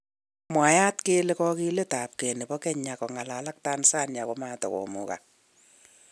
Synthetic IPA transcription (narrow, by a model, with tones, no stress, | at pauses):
mwa˨ja˦tkeː˦le˦kɔ˦ki˦le˦ta˨p̚ke˨ne˨bɔ˦kɛ˦ɲa˨kɔ˨ŋa˨la˨la˦k̚ta˦nsa˦nja˨ko˨ma˦tɔ̰˨ko̰˨mṵ˨ka̰˨